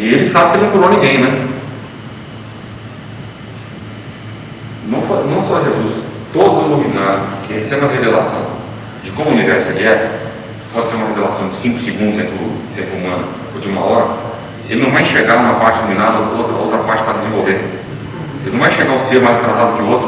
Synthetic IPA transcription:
ɪelɪsabɪkel̃k̪uɾoɐnĩɡẽj̃nɛ | nɐ̃w̃fonɐ̃w̃sɔɦekusʊ̥t̪od̪ovinad̪ʊpkehesɛbɪũɐɦevelasɐ̰̃w̃ | d͡ʒɪkõmʊunivɛɾsʊelɪɛ | ɪ̥fɔseɾũmɐhevelasɐ̃w̃d͡ʒɪsĩŋkʊ̥sɪɡũnd̪ʊzẽt̪uʊt̪ẽpʊumɐ̃nʊ | od͡ʒɪũmɐ̰ɔɾɐ | ḛlɪnɐ̃w̃vãʃeɡaũmɐpaɾt͡ʃɪnomĩnad̪ɐokot̪ɾɐo̰wt̪ɾɐpaɾt͡ʃɪ̥p̪ɾad͡ʒ̪ɪzẽvowvẽd̪ | elɪnɐ̃w̃vajʃeɡãʊseɾmajst̪ɾazad̪ʊkɪʊot̪ɾʊ

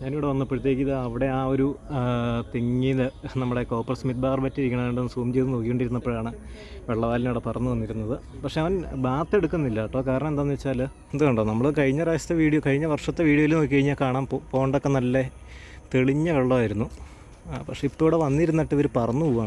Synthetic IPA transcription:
ɲaːniʋiɽeʋɐnːɐpːoɾut̪̬ːe̞ːkːiðɨɐʋiɽe̞aːoɾu | t̪eŋːilɨnɐmːuɽe̞ko̞ːpːɐrɐsmit̪̚baːrpɐtːiɾikʲːɐɳɐʋeɳɖenːɨsuːmt͡ɕejt̪ːɨnoːkːikoɳɖiɾunːɐpːoːɭaːɳɨ | ʋe̞ɭːɐʋaːlinoːɽepɐrɐnːuʋɐnːiɾunːɐðɨ | pɐkʂe̞ɐʋɐnbaːt̪ːe̞ɽukːunːilːaːʈːoːkaːɾɐɳɐmend̪aʋɐnːit͡ɕːaːl | end̪ukoɳɖonɐmːɐɭkɐɻiɲːɐɾaːsɐ̥t̪ːeʋiːɽijokɐɻiɲːɐʋɐrʂɐt̪ːeʋiːɽioʋilnoːk̬ʲːikɐɻɲːakaːɳaːnppoːɳɖokːenɐlːe | t̪eɭiɲːɐʋeɭːɐʋaːjiɾunːu | pɐkʂeipːoːɽeʋɐnːiɾunːɐʈːɨʋɐɾupɐrɐnːupuʋaːɳ

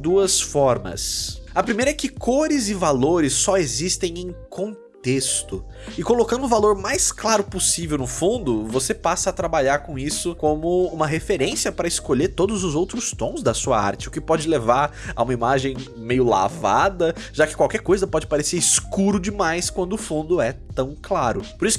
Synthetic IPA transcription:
d̪uɐsfɔɾmɐ̰sɐpɾimejɾɐɛkɪkʰoɾɪzɪvaloɾɪsːɔezist̪ẽj̃ẽj̃kʰõt̪est̪ʊ | ɪkolokɐ̃nd̪ʊvaloɾmajsklaɾʊposivewnʊfũnd̪ʊvosepasɐːt̪ɾabaʎaɾkõisʊkõmʊũmɐɦefeɾẽsiɐpɾɐɪskoʎeɾt̪od̪ʊzʊzowt̪ɾʊst̪õzd̪ɐsuɐ̰a̰ɾt͡ʃɪʊkɪpɔd͡ʒɪlevaɾa̰ũmɐimaʒẽj̃ | mejʊla̰va̰d̪ɐʒ̥akɪ̥kwawkɛɾkojzɐpɔd͡ʒɪpaɾeseɾiskuɾʊd͡ʒɪmajskwɐ̃nd̪ʊʊfũnd̪ʊɛt̪ɐ̃w̃klaɾʊpoɾisʊ̥

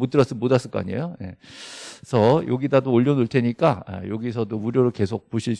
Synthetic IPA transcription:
mot͈ɯɾʌs͈ɯmodas͈ɯɭk͈ʌa̰ɲḛjoje̞ | sʰʌjo̰ɡidadoːʎːʌnuɭtʰe̞ɲik͈aa̰joɡis̬ʰʌdouɾjoɾoɭke̞sʰok̚poɕʰiɭs

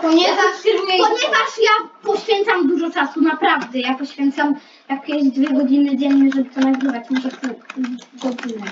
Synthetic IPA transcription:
pɔɲɛvt̪ɾmɛpɔɲɛvaʂjapɔɕfʲjɛnt̪samd̪uʐɔt͡ʂasunapɾavd̪ɛjapɔɕfʲjɛnt̪sam | jak̚pjɛʑd͡ʑd̪vʲɛɡɔd͡ʑinɘd͡ʑɛnːɘʐɛbɘt̪ɔnaɡɾɘvat͡ɕmɔʐɛt̪ɛɡɔd͡ʑinɛ

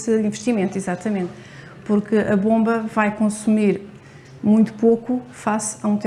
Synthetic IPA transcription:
sɨĩvʃt̪imẽnt̪izat̪ɐmẽnt̪ | puɾkɨɐβõmbɐvajkõsumiɾ | mũj̃t̪u̥pokufasɐũt̪ɛ

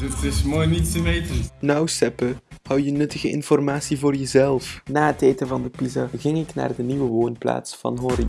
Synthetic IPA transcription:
ətɪsmoːjnittəmeːtənɔwsɛpəhʌwjənɵtəɣəɪ̰nfɔrmaːsivoːrjəzɛlˠfnaːətɛjtəvɑndəpizaɣɪŋɪkna̰ːrdəniʋəʋoːnpla̰ːtsfɑ̰nɦɔɾi

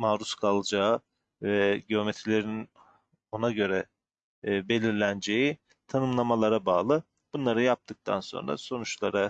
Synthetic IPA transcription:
maːɾuskʰalˠɯd͡ʒaːɯ | vɛɟio̞met̪ʰɾilʲe̞ɾinn | o̞naɟø̞ɾɛ | be̞lʲiɾlʲænd͡ʒe̞ji | t̪ʰanɯmlˠamalˠaɾabaːlˠɯ | b̥unlˠaɾɯjap̚t̪ʰɯk̚t̪ʰa̰nso̞̰nɾa̰so̞nut͡ʃlˠaɾa

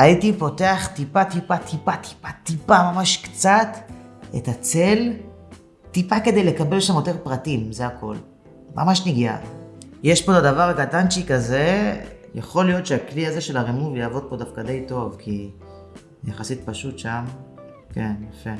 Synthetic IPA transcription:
aitipo̞te̞aχtipatipatʰipat̪i̥patipamamaʃkt͡satetat͡sel | t̪ipake̞de̞jle̞kabe̞lʃamjote̞ʁpʁatimzeakʰo̞̰l | mʔa̰maʃniɡia̰ | jeʃpo̞tadavaʁaɡatanʃikaze̞ja̰χo̞lijo̞tʃeakliaze̞ʃe̞laʁimuvjaːvo̞d̪̚po̞dafkade̞jto̞vki | jaχasit̚paʃutʃam | ke̞njafe̞

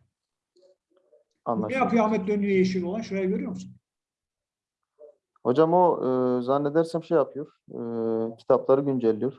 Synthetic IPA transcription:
anˠaejapʰɯjoamɛt̪̚lʲønyjɛjeʃiɾolˠanʃuɾajaɟøɾyjo̞ɾmusun | ho̞d͡ʒamoɯzanːed̪æɾsæmʃejapʰɯjoɾ̥ | cʰi̥t̪ʰaplˠaɾɯɟynd͡ʒɛlʲːijoɾ̥

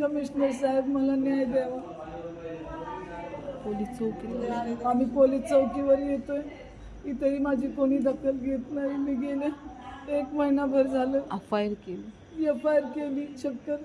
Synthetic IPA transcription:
kəmiɕnəɾsaɦebməlanjajd̪aʋə | polist͡səwkinaamiːpoliːst͡səwkiʋəɾjet̪oj | it̪əɾiːmad͡ʑʱiːkoɽ̃iːd̪əkːəlɡʱet̪naimiːɡeleekməɦinabʱəɾd͡zʱaləəfajəɾkeli | miːəfajəɾkeliːt͡ɕəkːəɾ

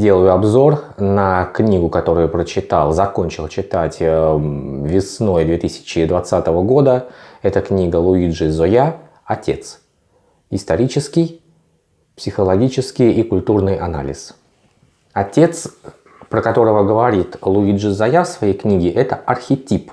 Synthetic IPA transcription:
dʲe̞lˠəjʊɐbzo̞rnəknʲiɡʊkɐt̪o̞ɾʊjʊpɾət͡ɕɪt̪alˠzɐko̞nʲt͡ɕɪlˠt͡ɕɪt̪atʲ | vʲɪsno̞jd̪vʲet̪ɨsʲɪ̥t͡ɕɪd̪vɐt̪sat̪əvəɡo̞d̪əɛt̪əknʲiɡəlˠʊidʐɨzoja | ɐtʲe̞̰t̪s | ɪst̪ɐɾʲit͡ɕɪskʲɪj | psʲɪxəlˠɐɡʲit͡ɕɪskʲɪjikʊlʲt̪urnɨjɐna̰lʲɪ̰s | ɐtʲe̞t̪s | pɾəkɐt̪o̞ɾəvəɡəvɐɾʲit̪lˠʊid̪ʐɨzɐjafsvɐjejknʲiɡʲɪʔɛt̪əɐrxʲɪtʲip

